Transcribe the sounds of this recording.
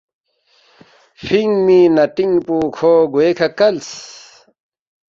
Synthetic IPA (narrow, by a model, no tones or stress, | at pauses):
fiŋminɐʈiŋpuːkʰoɡoekʰakɐls